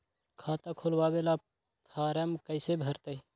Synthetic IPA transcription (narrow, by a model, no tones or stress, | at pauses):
kʰat̪akʰolbabela | pʰaɾəmkəɪsebʱəɾt̪əj